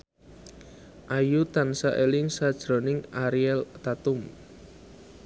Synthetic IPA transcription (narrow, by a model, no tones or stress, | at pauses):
ʔajut̪ansaʔelɪŋsad̥ʒ̥ɾo̤nɪŋaɾiɛlt̪at̪ʊm